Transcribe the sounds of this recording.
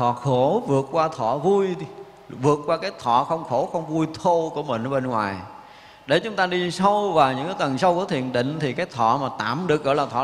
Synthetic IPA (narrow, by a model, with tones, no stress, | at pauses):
t̪ʰɔ̰˧˨xo˧˦vɨ˨˩ət̚kwaː˧t̪ʰɔ˧˩˨vu˧j | vɨ˨˩ət̚kwaː˧kaː˨˦jt̪ʰɔ˧˨xə˧wŋ͡mxo˧˦xə˧wŋ͡mvu˧jt̪ʰo˧ku˧˩əmï˨˩ŋ̟˧˦ɓe˧nŋwa̰ː˨˩j | ɗe˧˩t͡ɕʊ˨˦ŋ͡mt̪aː˧ɗi˧sə˧wvaː˨˩wɲɨ̰˧˥ŋkaː˨˦jt̪ə˨˩nsa˧wku˧˩ət̪ʰi˧˨ənɗḭ̈˧˨ŋ̟t̪ʰi˨˩kaː˨˦jt̪ʰɔ̰˧˨maː˨˩t̪a̰ː˧˨mɗɨ˨˩ək̚ɣɔ̰ː˧˦jlaː˨˩t̪ʰɔ̰˧˨